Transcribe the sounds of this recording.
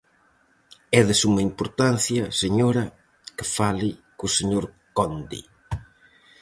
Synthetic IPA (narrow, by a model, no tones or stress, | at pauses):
ɛðɪsumɐimpoɾt̪anθjɐseɲoɾɐ | kefalikuseɲoɾ | kɔnd̪ḭ